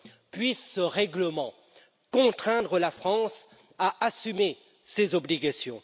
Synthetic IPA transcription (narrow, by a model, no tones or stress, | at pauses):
pɥisːəʁɛɡləmɑ̃ | kɔ̃t̪χɛ̃d̪ʁəlafχɑ̃s | aʔasyme | sezɔbliɡasjɔ̃